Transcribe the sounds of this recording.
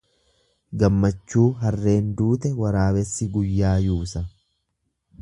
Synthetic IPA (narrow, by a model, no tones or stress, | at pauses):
ɡɐmːɐt͡ʃːuːɦɐrːe̞ːnd̪uːt̪ɛwɐɾaːwɛsːɪɡʊjːaːjuːsɐ